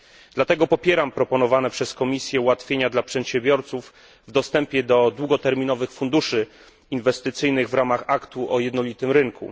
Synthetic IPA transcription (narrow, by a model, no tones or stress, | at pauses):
d̪̥lat̪ɛɡɔpɔpʲjɛɾampɾɔpɔnɔvanɛpʂɛskɔmʲisʲjɛuwat̪fʲjeɲad̪lapʂɛt̪ɕɛ̃mbʲjɔɾt̪suf | vd̪ɔst̪ɛmpʲjɛd̪ɔd̪wuɡɔt̪ɛɾmʲinɔvɘxfund̪uʂɘ | invɛst̪ɘt̪sɘjnɘɣvɾamaxakt̪uʔɔjɛd̪nɔlʲit̪ɘmɾɘŋkʰṵ